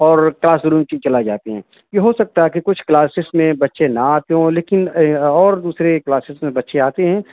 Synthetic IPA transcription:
ɔːɾklaːsɾuːmkit͡ʃɐlad͡ʒaːt̪eɦɛ̃ː | jeɦosɐk̚t̪aɦɛkikʊt͡ʃʰklaːsɪsmẽbɐtːʃenaaːt̪eɦõleːkɪnɔːɾd̪uːsɾeklaːsɪsmẽbɐtːʃeaːt̪eɦɛ̃ː

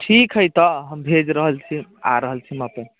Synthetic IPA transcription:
ʈʰikɦəjt̪ɔɦəmbʱed͡ʒɾəɦəlt͡ʃʰia̰ɾəɦəlt͡ʃʰiməpe

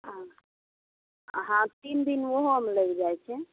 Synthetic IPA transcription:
ã | ɦãt̪ind̪inʋoɦoɦəmləkd͡ʒaɛt͡ʃʰɛ

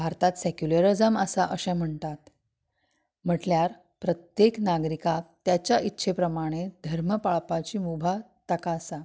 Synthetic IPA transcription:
bʱaɾt̪at̪sɛkjuləɾəd͡zəməsaʔəɕɛ̃m̤əɳt̪at̪ | m̤əʈljaɾ | pɾət̪jeknaɡɾikat̪jat͡ɕjaʔit̪ːɕʰepɾəmaɽ̃ed̪ʱəɾməpaɭpat͡ɕiːmubʱa | t̪əkasa

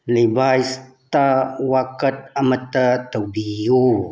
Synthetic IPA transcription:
libajstt̪awakət̪̚amət̪ət̪əbiu

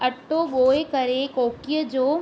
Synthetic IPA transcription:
ɐʈːoɠoːekɐɾekoːkijəd͡ʑoː

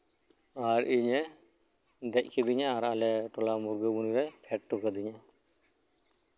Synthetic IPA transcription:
aɾiɲɛ | d̪ɛc̚ˀkʰid̪iɲaːɾaalɛʈɔlamuɾɡəbunuɾajpʰɛʈ̚ʈɔkad̪iɲa

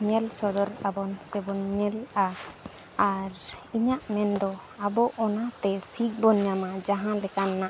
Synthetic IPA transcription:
ɲɛlsɔd̪ɔɾabɔnsɛbɔnɲɛla | aɾiɲaʔmɛnd̪ɔabɔʔɔnat̪ɛsik̚bɔnɲamad͡ʒaɦãlɛkanːaʔ

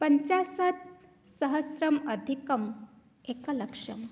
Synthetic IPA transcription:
pɐɲt͡ɕasɐt̪̚ | sɐɦɐsɾɐmɐd̪ʱikɐm | eːkɐlɐkʂɐ̰m

